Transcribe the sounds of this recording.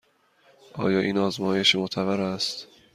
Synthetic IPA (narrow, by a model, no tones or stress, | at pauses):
ʔɒ̰ːjɒːʔiːnɒːzmɒːje̞ʃimot̪ʰævæɾæst̪